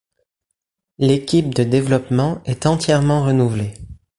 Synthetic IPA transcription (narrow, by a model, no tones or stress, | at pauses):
lekʲip̚d̪əd̪evlɔpmɑ̃ɛt̪ɑ̃t̪jɛʁmɑ̃ʁənuvle